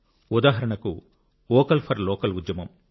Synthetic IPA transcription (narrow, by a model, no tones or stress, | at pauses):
ud̪aːɦɐɾɐɳɐkṵ | ɔːkɐlpʰɐɾlɔːkɐlud̪jɐmɐm